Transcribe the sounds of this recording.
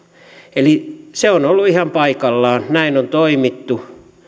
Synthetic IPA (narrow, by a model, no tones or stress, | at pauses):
eliseonolːuihɑmpɑikɑlːɑːnnæinont̪oimit̪ːu